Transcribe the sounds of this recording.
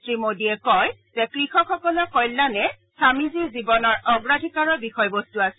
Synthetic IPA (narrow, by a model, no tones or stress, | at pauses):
tɹimodiɛkɔjzɛkɹixɔkʰɔkɔlɔkɔjlːanɛ | samizizibɔnɔɹɔɡɹadʱikaɹɔbixɔjbostuasɛ̥